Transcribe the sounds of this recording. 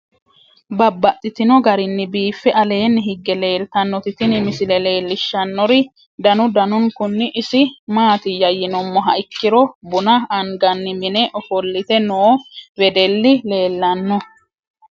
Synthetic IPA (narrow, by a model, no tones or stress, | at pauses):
bɐbːɐt̪ʼːɪt̪ɪnɔɡɐɾɪnːɪbiːfːɛʔɐle̞ːnːɪɦɪɡːɛle̞ːlt̪ɐnːɔt̪ɪt̪ɪnɪmɪsɪlɛle̞ːlːɪʃːɐnːɔɾɪ | d̪ɐnʊd̪ɐnʊŋkʊnːɪʔːsɪmaːt̪ɪjɐjːɪnɔmːɔɦɐʔɪkːɪɾɔbʊnɐɐŋɡɐnːɪmɪnɛʔɔfɔlːɪt̪ɛnoːwɛd̪ɛlːɪle̞ːlːɐnːɔ